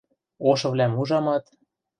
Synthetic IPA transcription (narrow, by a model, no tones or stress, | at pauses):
oʃɤ̆βlʲæmuʒɑmɑt̪